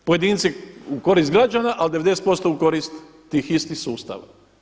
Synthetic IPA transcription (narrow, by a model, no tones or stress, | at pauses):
poje̞d̪iːnt̪siuko̞ɾiːst̪ɡɾad͡ʒanaʔald̪e̞ʋed̪ese̥t̪po̞st̪oukoɾist̪ː | iːxist̪ixsuːst̪a̰ʋa̰